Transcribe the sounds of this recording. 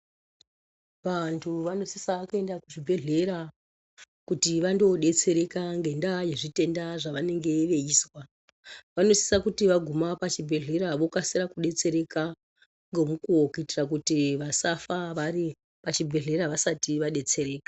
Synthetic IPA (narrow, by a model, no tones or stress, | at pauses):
ʋantʰuʋano̞sisakue̞ndakuʐibʱe̞ɮe̞ɾa | kutiʋando̞ɗe̞t͡se̞ɾe̞kaŋɡe̞ndaje̞ʐite̞ndaʐaʋane̞ŋɡe̞ʋe̞iːswa | ʋano̞si̥sakutiʋaɡʱumapat͡ʃibʱe̞ɮe̞ɾaʋo̞kasiɾakuɗe̞t͡se̞ɾe̞ka | ŋɡo̞mukuwokuitirak̬utiʋasafaʋaɾi | pat͡ʃibʱe̞ɮe̞ɾaʋasatiʋaɗe̞t͡se̞ɾeːkḁ